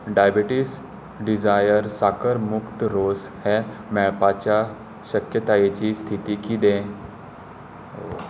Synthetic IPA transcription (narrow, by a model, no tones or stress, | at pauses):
ɖajbiʈis | ɖid͡zajəɾsakəɾmukt̪əɾos | hɛ | mɛɭpat͡ɕja | ɕəkjət̪ajet͡ɕiːst̪ʰit̪iːkid̪ẽ | o